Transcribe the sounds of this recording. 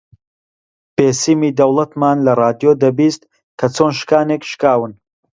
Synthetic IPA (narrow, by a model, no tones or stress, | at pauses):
b̥eːsiːmiːd̪ɐwlˠɐt̪maːnlɐraːd̪ijod̪ɐbiːst̪̚ | kʰɐt͡sʰoːnʃkaːnekʃkaːwɨn